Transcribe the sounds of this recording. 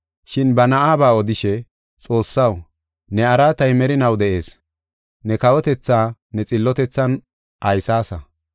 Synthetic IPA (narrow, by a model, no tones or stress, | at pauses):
ʃɪnbɐnɐʔaːbaːɔd̪ɪʃɛ | t͡sʼo̞ːsːɐw | nɛɐɾaːt̪ɐjmɛɾɪnɐwd̪ɛʔe̞ːs | nɛkɐwɔt̪ɛt͡sːaːnɛt͡sʼɪlːɔt̪ɛt͡sːɐn | ʔɐjsaːsɐ